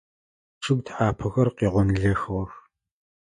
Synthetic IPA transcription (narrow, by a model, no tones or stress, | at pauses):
ʂʰɨɡʷtʰħaːpʰɐɣɐrqiːʁʷʊnɮɐxwɔx